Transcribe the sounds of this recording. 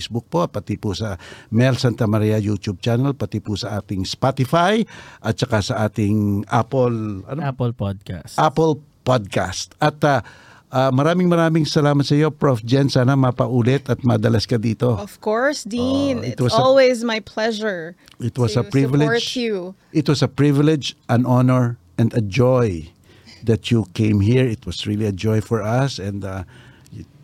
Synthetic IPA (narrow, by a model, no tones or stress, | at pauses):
sbʊk̚po̞pɐt̪ipʊsɐmɛlsant̪ɐmɐɾiɐjut̪ub̚t͡ʃanɛlpɐt̪ipʊsɐʔaːt̪ɪŋspat̪ɪfajʔɐt̪̚t͡ʃɐkasɐʔaːt̪ɪŋʔa̰pɛlɐ̰nplod̪̚ka̰sʔapɛl | pod̪̚kast̪ɐt̪a | ʔaːmɐɾaːmɪŋmɐɾaːmɪŋsɐlaːmɐt̪̚sɐjo̞pɹofd͡ʒɛnsaːnɐmɐpɐʔuːlɛt̪ɐt̪̚mɐd̪ɐlɐskɐd̪iːt̪o̞ɔv̥kkɔɹsd̪inɪt̪wɐslwezmajpʰlɛʒɛ˞ | ɪt̪wɐsɐpɹivɪlɛɹd͡ʒtjuʔɪt̪wɐsɐpɹivɪlɛd͡ʒʔɐ̃nɔnɛɹ | ɛ̃nd̪ɐd͡ʒoj | d̪ɐtukẽjmɦiɹɪt̪wɐsɹiliɐd͡ʒɔjfɔɹɐsɛ̃nd̪a | j